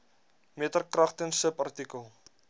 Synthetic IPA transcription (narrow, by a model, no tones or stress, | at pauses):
miətərkrɐχtənsəpɐrtikəlˠ